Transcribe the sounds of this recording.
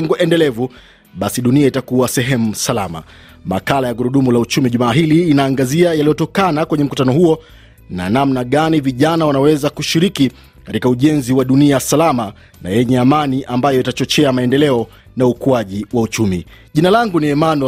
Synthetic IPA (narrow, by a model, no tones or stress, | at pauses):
ŋɡuʔɛndɛlɛvu | ɓasiɗuniaitakuasɛɦɛmusalama̰ | ma̰kalajaɡuɾuɗumulaut͡ʃumiʄumaːɦiliːnaːŋɡaziajalijɔtɔkanakwɛɲɛm̩kutanɔhuɔ | na̰namnaɠaniviʄanawanawɛzakuʃiɾiki | katikauʄɛnziwaɗuniasalama | na̰jɛɲɛamaniʔambajɔitat͡ʃɔt͡ʃɛamaɛndɛlɛɔ | naukuaʄiwaut͡ʃumḭ | ʄinalaŋɡuniɛmanɔ